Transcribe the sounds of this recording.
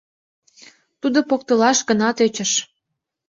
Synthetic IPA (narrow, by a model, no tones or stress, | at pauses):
t̪ud̪opokt̪əlɑʃɡənɑt̪øt͡ɕə̆ʃ